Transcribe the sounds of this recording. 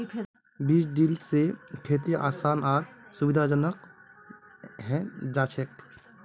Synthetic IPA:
biːsɖiːlsekʰet̪iʔa̰ːsaːnaːɾsubɪd̪ʱad͡ʒənək | ɦɛ̃d͡ʒaːt͡ʃʰek

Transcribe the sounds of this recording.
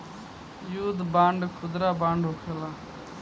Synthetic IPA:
juːd̪bãːɳɖkʰʊd̪ɾaːbãːɳɖʱɦoːkʰeːlaː

